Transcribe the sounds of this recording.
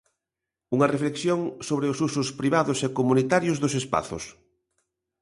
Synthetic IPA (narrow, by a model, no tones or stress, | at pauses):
uŋɐrefleksjoŋsoβɾeʊsusʊspɾiβaðʊsekomunit̪aɾjʊzðʊsespa̰θʊ̰s